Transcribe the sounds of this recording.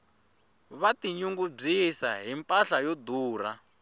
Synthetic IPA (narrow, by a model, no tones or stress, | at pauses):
βatiɲuŋɡub͡ʐisaɦimpʼaɬajod̪uːra